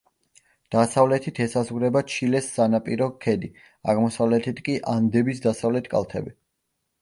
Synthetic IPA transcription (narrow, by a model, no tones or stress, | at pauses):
d̪̥asavlɛt̪ʰit̪ʰɛsazʁɾɛbat͡ʃʰilɛsːanapʼiɾɔkʰɛd̪i | aʁmɔsavlɛt̪ʰit̪ʰkʼiʔand̪ɛbisd̪asavlɛt̪ʰkʼa̰lˠt̪ʰɛ̰bi